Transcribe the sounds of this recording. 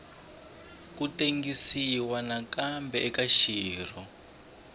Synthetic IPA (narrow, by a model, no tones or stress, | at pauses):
kuteŋɡisiwanakambɛɛkaʃiːr̤ɔ